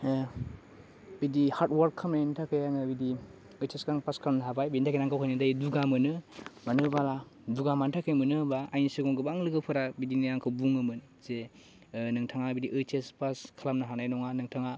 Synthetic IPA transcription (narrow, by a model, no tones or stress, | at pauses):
bidihaɾtwaɾkʰːamnajntʰakʰɯjaŋɯbidi | ɯjteskɾaŋpaskʰalamnaɦabajbiitʰakijnaŋkʰawkʰajnɯdajduɡamɯnɯmanɯbala | duɡamantʰakʰɯjmɯnɯbaajnisɯɡɔŋɡɯbaŋlɯɡɯpʰɯɾabidiniaŋkʰawbuŋɯmɯn | ze | nɯŋtʰaŋabidiʔɯtʰespaskʰalamnɯɦanajnɔŋanɯŋtʰaŋa